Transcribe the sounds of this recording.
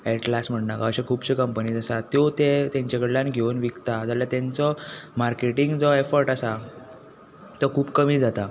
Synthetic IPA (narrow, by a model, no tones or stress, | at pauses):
ɛʈlasm̤əʈnakaəɕekʰuːbɕekəmpəniːd͡zasat̪jot̪et̪ãɲt͡ɕekəɽlanɡʱeənʋikt̪ad͡zaljat̪ẽnt͡sɔmaɾkeʈiŋɡd͡zɔefəɾʈasa | t̪əkʰuːpkəmiːd͡zat̪a